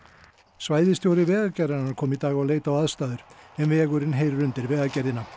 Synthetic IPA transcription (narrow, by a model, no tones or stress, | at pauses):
svaːjðɪst̪jowɾɪvɛːɣacɛɾðanaɾkʰɔːmit̪aːɣaawleːjt̪awaðst̪aːðʏɾ̥ɛmvɪɛɣʏɾɪnɦeːjɾːʏnt̪ɪɾvɛːɣacɛɾðɪnːa